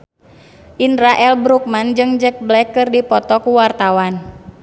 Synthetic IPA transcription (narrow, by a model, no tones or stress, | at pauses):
ʔinɾaʔɛlbɾuk̚mand͡ʒɨŋd͡ʒɛk̚blɛkːɨrdipɔt̪ɔkuwart̪awan